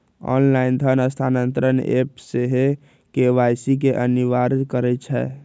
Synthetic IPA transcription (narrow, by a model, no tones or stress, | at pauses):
ɔ̰nlaind̪ʱənəst̪ʰanənt̪ɾənepseɦe | keʋajsik̬eʔəniʋaɾd͡ʒkəɾɛt͡ʃʰɛ̰